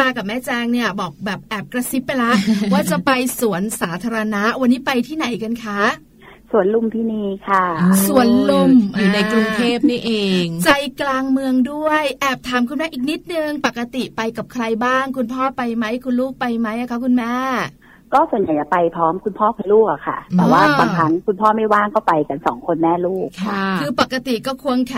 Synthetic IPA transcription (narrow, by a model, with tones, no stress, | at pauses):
aː˧ka˨˩p̚mɛː˦˥˩t͡ɕɛː˧ŋni˥˩ɐbɔː˨˩k̚bɛː˨˩p̚ʔɛː˨˩p̚kɾa˧si˦˥pːa˧jla˦˥waː˥˩t͡ɕa˨˩pa˧jsu˩˦ənsaː˩˦t̪ʰaː˧ɾa˧na˦˥ʔwa˧nːiː˦˥pa˧jt̪ʰiː˥˩na˨˩˦jka˧nkʰa˦˥ʔ | su˨˩˦ənlu˥˩mt̪ʰiː˥˩niiː˥˩kʰa˥˩su˨˩˦ənlu˥˩mjuː˨˩na˧jkɾu˧ŋt̪ʰeː˥˩p̚ni˥˩ʔeː˧ŋt͡ɕa˧jklaː˧ŋmɯ˧əŋdu˥˩əjʔɛː˨˩p̚t̪ʰaː˩˦mkʰɯ˧nmɛː˦˥ʔiː˨˩k̚ni˦˥t̪̚nɯ˧ŋpa˨˩kːa˧t̪i˨˩pa˧jka˨˩p̚kʰɾa˧jbaː˥˩ŋkʰu˧npʰɔː˥˩pa˧jma˦˥jkʰu˧nluː˥˩k̚pa˧jma˦˥jʔa˨˩kʰa˦˥kʰu˧nmɛː˥˩ | kɔː˥˩su˨˩ənja˨˩jt͡ɕa˨˩pa˧jpʰɾɔː˦˥mkʰu˧npʰɔː˥˩pʰa˧luː˥˩k̚ʔa˨˩kʰa̰˥˩t̪ɛː˨˦waː˥˩˧aː˧kʰa˦˥ŋkʰu˧npʰɔː˥˩ma˥˩jwaː˥˩ŋkɔː˥˩pa˧jka˧nsɔ̰ː˩˦ŋkʰo˧nmɛː˥˩luː˥˩kʰa˩˧˩kʰɯː˧pa˨˩kːa˧t̪i˨˩kɔː˥˩kʰu˧ənkʰɛ˧˩